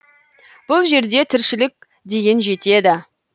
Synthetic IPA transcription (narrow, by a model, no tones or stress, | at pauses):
b̥ʊlˠʒe̞ɾd̪e̞t̪ʰɪɾʃɪlɪk̚ʲ | d̪e̞ɡʲe̞nʒe̞t̪e̞d̪ɪ